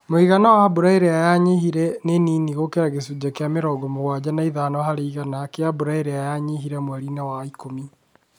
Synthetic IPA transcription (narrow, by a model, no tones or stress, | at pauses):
moiɣanawaaboɾaeɾejajaɲehiɾɛneniːniɣokeɾaɣesud͡ʑakeameɾɔɡɔmoɣwad͡ʑanaiðanɔhaɾeiɣanakeaboɾaeɾɛajaɲeɦiɾɛmwaɾinawaikomi